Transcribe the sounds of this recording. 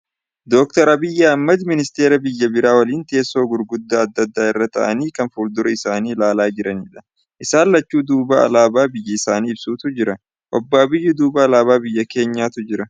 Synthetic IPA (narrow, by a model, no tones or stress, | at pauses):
d̪ɔk̚t̪ɐɾɐbɪjːɐɐmːɐd̪mɪnɪst̪e̞ːɾɐbɪjːɐbɪɾaːwɐliːnt̪e̞ːsːoːɡʊɾɡʊd̪ːaːɐd̪ːɐd̪ːaːɪrːɐt̪ɐ̰ʔɐ̰niːkɐnfʊɾd̪ʊɾɐɪsaːniːlaːlaːd͡ʒɪɾɐniːᶑɐ̥ | ʔɪsaːlːɐt͡ʃːuːd̪uːbɐɐ̰laːbaːbɪjːɐɪsaːniːɪbsuːt̪ʊd͡ʒɪɾɐ | ʔɔbːɐːbɪjːʊd̪uːbɐːlaːbaːbɪjːɐke̞ːɲːaːt̪ʊd͡ʒɪɾɐ